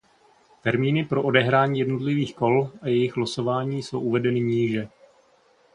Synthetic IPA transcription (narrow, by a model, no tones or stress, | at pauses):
t̪ɛɾmiːnɪpɾo̞ʔodɛɦɾaːɲiːjɛdno̞t̪lɪviːxko̞lʔajɛjɪxɦlaso̞vaːɲiːso̞wʔuvɛdɛnɪɲiːʒɛ